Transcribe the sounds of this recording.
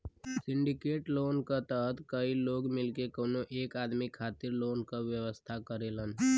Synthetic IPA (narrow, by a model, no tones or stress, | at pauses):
sɪɳɖikeːʈloːnkət̪əɦt̪kəiloːɡmɪlkekəwnoʔeːkaːd̪mikʰaːt̪iɾloːnkaʋjəʋəst̪ʰakəɾelən